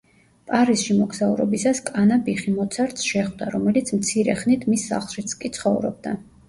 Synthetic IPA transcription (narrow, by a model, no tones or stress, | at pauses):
pʼaɾisʃimɔɡsauɾɔ̰bisaskʼanabiχimɔt̪sʰaɾt̪sʃɛχd̪aɾɔmɛlit̪sʰmt̪sʰiɾɛ̰χnit̪ʰmisːa̰χlˠʃit̪sʰkʼit̪sʰχɔvɾɔ̰b̚d̪a